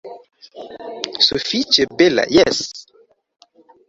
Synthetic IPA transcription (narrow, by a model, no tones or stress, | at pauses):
sofit͡ʃebela̰jɛs